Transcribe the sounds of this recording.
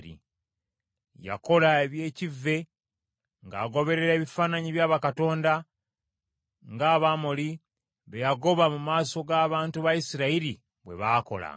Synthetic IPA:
ɾḭ | ja̰ko̞laeβje̞ːcivːe̞ | ŋɡaːɡo̞βe̞ɾe̞ɾe̞ːβifaːnaɲiβjaːβakato̞ːnda | ŋɡaːβamoli | βejaɡo̞βamumaːso̞ɡaːβaːntuβajisiɾaiɾi | βwe̞̰βaːko̞̰la̰

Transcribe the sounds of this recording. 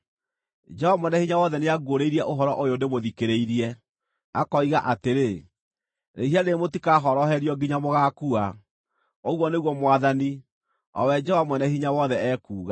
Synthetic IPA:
d͡ʒɛhɔvmwɛnɛhiɲawɔðɛneaɡoɾeiɾiɛʔoɦɔɾɔʔojodemoðikeɾeiɾiɛ | akɔiɣaʔateɾe | nḛhianemotikaɦɔɾɔɦɛɾjɔɡiɲamoɣakua | oɣwɔneɣwɔmwaðani | ɔ̰wɛd͡ʒɛhɔamwɛnɛhiɲawɔðɛɛkuːɣa

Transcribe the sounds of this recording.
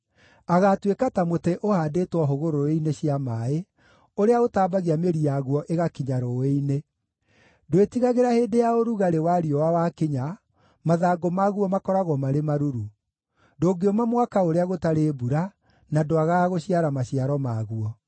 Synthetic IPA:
aɣatwekatamoteʔohadetwɔɦoɣoɾoeineɕiamae | oɾeaɣotaːbaɣiameɾijaɣwɔʔeɣakiɲaɾoeine | doetiɣaɣeɾaheːdejaoɾuɣaɾewaɾiɔwawakiɲa | maðaːɡomaɣuɔmakɔɾaɣwɔmaɾemaɾuɾu | doːɡeɔmamwakaoɾeaɣotaɾeːbuɾa | nadoaɣaɣoɕiaɾamaɕiaɾɔmaɣuɔ

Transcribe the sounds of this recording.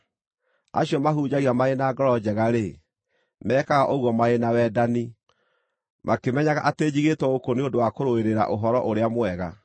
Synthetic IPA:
a̰ɕiɔmaɦuːd͡ʑaɣiamaenaɡɔɾɔd͡ʑɛɣaɾe | mɛːkaɣaʔoɣwɔmaenawɛːdani | mʔakemɛɲaɣaʔateːd͡ʑiɣetwɛokoniondowakoɾoeɾeɾa̰ʔoɦɔɾɔʔoɾeamoɛɣa

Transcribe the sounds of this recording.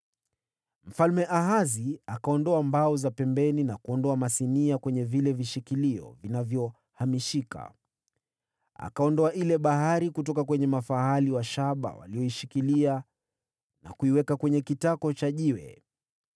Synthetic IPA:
m̩falmɛʔaɦaziakaɔndɔambaɔzapɛmbɛninakuɔndɔamasiniakwɛɲɛvilɛviʃikiliɔ̰vinavjɔ | hamiʃika̰ | a̰kaɔndɔaʔilɛɓaɦaɾikutɔkakwɛɲɛmafaɦaliwaʃaɓa̰wa̰liɔiʃikilia | na̰kuiwɛkakwɛɲɛkitakɔt͡ʃaʄiwɛ̰

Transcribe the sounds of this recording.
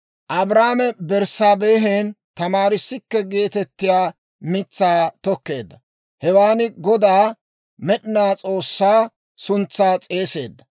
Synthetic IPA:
ʔɐbɾaːmɛbɛɾsaːbeːɦen | t̪ɐmaːɾɪsːɪkːɛɡeːt̪ɛt̪ːɪjaː | mɪt͡sːaːt̪ɔkːe̞ːd̪ːɐ | hɛwaːnɪɡɔd̪aː | mɛɗɪnaːt͡sʼo̞ːsːaː | sʊnt͡sːaːt͡sʼe̞ːse̞ːd̪ːɐ

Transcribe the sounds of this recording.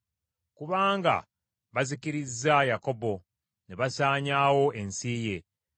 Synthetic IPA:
kuβaːŋɡa̰ | βazikiɾizːajako̞bo̞ | neβasaːɲaːwo̞e̞nsiːje̞

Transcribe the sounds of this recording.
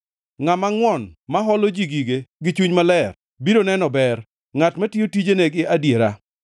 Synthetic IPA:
ŋamaŋwɔnmaɦɔlod͡ʒiɡiɡeɡɪt͡ʃuɲmalɛr | bidonɛnɔbɛr | ŋatmatiotid͡ʒeneɡɪʔadjeɾa

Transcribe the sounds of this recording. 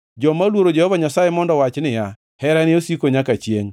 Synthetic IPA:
d͡ʒɔmalwoɾod͡ʒɛhɔvaɲasajemɔndɔwat͡ʃnɪja | hɛɾanɪosikoɲakat͡ʃjeŋ

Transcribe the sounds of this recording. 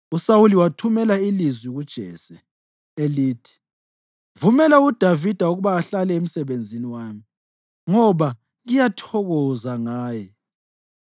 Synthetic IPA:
usawuliwatʰumɛlailizwiɣud̥ʒ̥ʱɛ̰sɛ | eliːtʰi̥ | vumɛlaud̥ʱavid̥ʱauɣuβaːɬalɛem̩sɛβend͡zʱiniwaːmi | ŋɔβa | ɣijatʰɔɣɔzaŋaːjɛ

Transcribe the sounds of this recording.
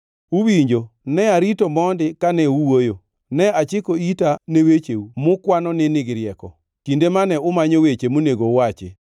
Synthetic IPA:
uwiɲd͡ʒonɛaɾitɔmɔndɪkanɛuwojo | nɛat͡ʃɪkoitanewet͡ʃeumʊkwanɔnɪnɪɡɪɾjɛkɔ | kindemanɛʊmaɲowet͡ʃemoneɡowat͡ʃɪ̰

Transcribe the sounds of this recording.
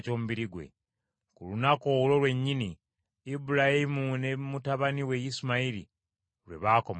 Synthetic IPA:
co̞ːmuβiɾiɡwḛ | kulunakolo̞lwe̞ɲːini | ibuɾahimune̞mutaβaniwe̞jisumaiɾḭ | ɾwḛβaːko̞m

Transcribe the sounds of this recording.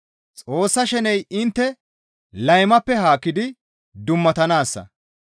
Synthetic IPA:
t͡sʼo̞ːsːɐʃɛnɛjɪnt̪ːɛ | lɐjmɐpːɛɦaːkːɪd̪ɪ | d̪ʊmːɐt̪ɐnaːsːɐ̰

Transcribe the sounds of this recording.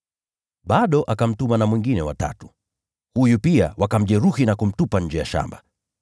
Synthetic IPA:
ɓaɗɔʔakam̩tumanamwiŋɡinɛwa̰ta̰tu̥ | hujupia̰wʔakam̩ʄɛɾuhinakum̩tupaɲ̩d͡ʒɛja̰ʃa̰mba

